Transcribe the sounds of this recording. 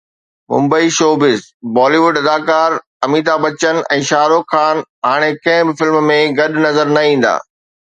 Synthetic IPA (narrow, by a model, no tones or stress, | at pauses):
mʊ̰̃mbəiʃoːbɪzbɔːliːʋʊɖɐd̪aːkaːɾ | ɐmiːt̪abɐt͡ɕənɛ̰̃ːʃaːɾokʰaːnɦaːɽ̃ekɐ̃ɦɪ̃bɪfɪlmmẽɡɐɗnɐzəɾnɐĩːn̆d̪a̰ː